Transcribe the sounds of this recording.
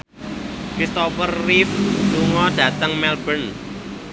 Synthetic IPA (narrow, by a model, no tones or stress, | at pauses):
kɾist̪ɔpərːifluŋɔɖ̥ä̤t̪əŋmɛlb̥ən